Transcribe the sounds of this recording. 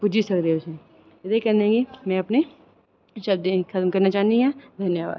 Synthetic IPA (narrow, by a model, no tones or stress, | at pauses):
pʊd͡ʒʱisɐkd̪eeʊsẽ | ɐd̪ekɐɾneẽŋɡimɛ̃ɐpne | ʃɐbd̪ekʰɐt̪mkɐɾnat͡ʃaːnd̪iɦɛ̃d̪ʱɐnjəʋa̰ːd̪